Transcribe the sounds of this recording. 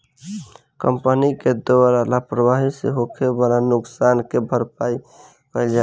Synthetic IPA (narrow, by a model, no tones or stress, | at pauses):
kəmpəniked̪oɾalapɾəbaɦisḛɦokʰebalanuksankebʱəɾpai | kəld͡ʒa